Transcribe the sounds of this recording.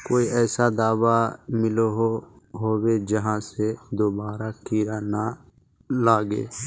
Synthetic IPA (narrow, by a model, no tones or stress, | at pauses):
koːiʔɛːsad̪aːʋamɪloɦo | ɦoːwed͡ʒəɦãːsed̪oːbaːɾakʰiːɾana | laːɡḛː